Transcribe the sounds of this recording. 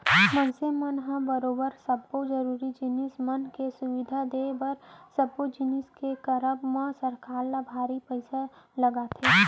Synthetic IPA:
mə̃nsemənɦãbəɾoːbəɾsɐbːod͡ʒəɾuːɾid͡ʒɪnɪsmənkesʊʋɪd̪ʱad̪ebɐɾsɐbːod͡ʒɪnɪskekəɾəbmẽsɐɾkaːɾnabʱaːɾipəɪsalɐɡat̪ʰeː

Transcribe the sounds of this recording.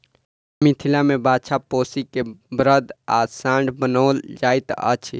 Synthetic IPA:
mit̪ʰilamebat͡ʃʰaposikebɾəd̪asãɳɖbənəld͡ʒajt̪ə̰t͡ʃʰ

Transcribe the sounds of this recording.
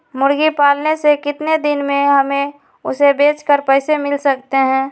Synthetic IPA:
mʊɾɡipaːlnesekɪt̪ned̪ɪnmẽɦəme | ʊsebeːt͡ʃkəɾpəɪsemɪlsəkt̪eɦɛ̃ː

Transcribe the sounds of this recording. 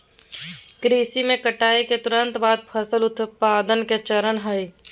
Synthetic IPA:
kɾiːsimẽkəʈaːiket̪ʊɾə̃nt̪baːd̪̚pʰəsəlʊt̪paːd̪ənket͡ʃəɾənɦəj

